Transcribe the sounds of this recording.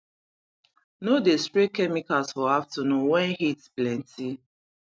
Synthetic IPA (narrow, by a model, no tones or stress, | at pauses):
nodestɹekːɛmikasfɔaftənũnwɛ̃nhitsplɛ̃ntʰi